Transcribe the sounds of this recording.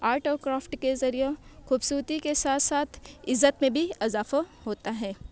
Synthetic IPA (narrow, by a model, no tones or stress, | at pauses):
aːɾʈoːkɾaːfʈkezɐɾijexuːbsuːɾt̪ikesaːt̪ʰsaːt̪ʰɪzːət̪mẽbʱiɐzaːfahoːt̪aɦɛː